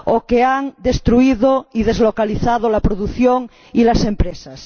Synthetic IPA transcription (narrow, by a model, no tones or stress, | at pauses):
okeaŋd̪e̞st̪ɾuiðoiðezlokaliθaðolapɾoðuθjoŋ | ilasẽmpɾesas